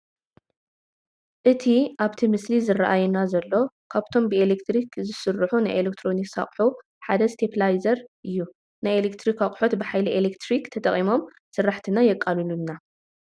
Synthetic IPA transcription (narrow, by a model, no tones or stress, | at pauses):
ʔɨt̪ʰiʔaβt̪ʰimɨslizɨraʔajɛnazɐlːo̞ | kʰaβt̪ʰo̞mbɨelekt̪ɾikzɨsɨrːħunajʔelek̚t̪ʰɾo̞niksa̰χʼħu | ħad̪ɐst̪ʰepʰlajzɐɾʔɨjːu | najelekt̪ʰɾikaχʼħo̞t̪bɨħajliʔelekt̪ʰɾikt̪ʰɐt̪ʰʼɐχʼimo̞m | sɨrːaħt̪ʰɨnajɛkʼːalɨlunːa